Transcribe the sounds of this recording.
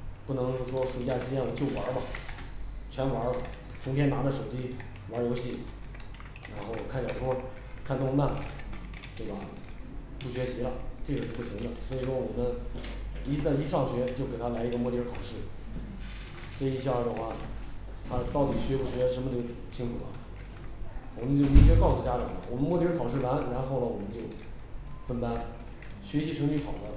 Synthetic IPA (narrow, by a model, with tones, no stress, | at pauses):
pu˥˩nɤ˧˥ŋʂwɔ˥ʂu˧˥t͡ɕja˥˩ɕi˥jɛ˥˩nwɔ˨˩t͡ɕjo˥˩ʊwɐ˞˧˥mɐ˨ | t͡ɕʰɥɛ˧˥nwɐ˧˥ | t͡sʰʊ˧˥ŋt̪ʰjɛ˥na˧˥d̪ə˧ʂo˨˩ʊt͡ɕi˥ | wɐ˧˥jo˧˥ʊɕi˥˩ | ɻa˧˥nxo˥˩ʊkʰa˥˩nt͡ɕʂwɔ˥ | kʰa˥˧nt̪ʊ˥˧ŋma˥˩n | t̪we˥˩bɐ˩ | pu˥˩ɕɥɛ˧˥ɕi˧˥lə˧ʈ͡ʂe˥˩ɡə˩o˥˧pu˥˩ɕi˧˥ŋd̪ə˨swɔ˧˥i˨˩ʂwɔ˥˩wɔ˨˩mə˦n | i˧˥t͡sa˥˩ɪi˥ʂɑ˥˩ŋɕɥɛ˧˥t͡ɕjo˥˩ʊke˨˩a˥la˧˥ɪi˧˥ɡə˧mwɔ˥˩t̪j̩˧˥kʰɑ˨˩ʊʂɻ̩˥˩ | ʈ͡ʂa˥˧i˥ɕ̬jɑ˥˧˩ə˧xwa˥˩ | t̪ʰa˥t̪ɑ˥˩ʊt̪i˨˩ɕɥɛ˧˥pu˥˩ɕɥɛ˧˥ʂə˧˥mə˧ʈ͡ʂɤ˥˧˩ɡt͡ɕʰi˥ŋtu˨˩bɐ̰˩ | wɔ˨˩mə˦nt͡ɕjo˥˩ʊpi˧˥t͡ɕɥɛ˧˥kɑ˥˧ʊsu˨˩t͡ɕja˥ʈ͡ʂɑ̰˨˩ŋlə̰˦wɔ˨˩mə˦nmɔ˥˩t̪i˧˥ɻ̩˥kʰɑ˨˩ʊʂ̬ɻ̩˥˩la˧˥nɻa˧˥nxo˥˩ʊlə˩wɔ˨˩mə˦nt͡ɕjo˥˩ʊ | fə˥nt̪a˥n | ɕɥɛ˧˥ɕi˧˥ʈ͡ʂʰɤ˧˥ŋt͡ɕy˥˩k̪ʰɑ˨˩ʊlə˧˦